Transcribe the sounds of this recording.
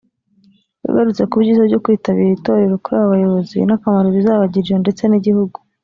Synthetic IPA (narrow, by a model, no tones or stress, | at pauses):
jṵɡaɾut͡se̞kuβɟiːzaβɟo̞kwiːtaβiɾiito̞ːɾe̞ɾo̞kuɾaːβaβajo̞βo̞zḭnakamaɾoβizaːβaɟiwende̞t͡se̞niɟihuɡu